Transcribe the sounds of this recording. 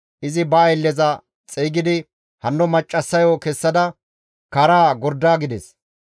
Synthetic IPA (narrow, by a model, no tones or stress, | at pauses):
ʔɪzɪbɐɐjlːɛzɐ | t͡sʼɛjːɡɪd̪ɪ | hɐnːɔmɐt͡ʃʼːɐsːɐjoːkɛsːɐd̪ɐ | kɐɾaːɡɔɾd̪aːɡɪd̪ɛs